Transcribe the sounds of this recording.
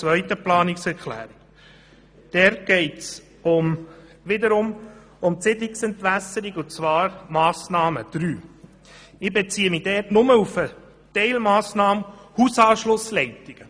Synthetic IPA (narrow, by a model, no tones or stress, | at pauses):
t͡sʋœʏtəplɑːnɪksɛɾkʰlæ̰ːɾɪk | d̥ɛɾt̚ɡ̥ɛɪts | ʊm | ʋɪd̪əɾʊm | ʊmtsɪd̪ɪksɛntʋæsːəɾiɡʊnt͡sʋɑːɾmɑːsnɑːməd̪̥ɾyː | ɪbet͡siːəmid̥ɛːtnʊməufə | tɛɪlmɑːsnɑːmhusɑːʃlʊslɛɪt̪iɡ̥ə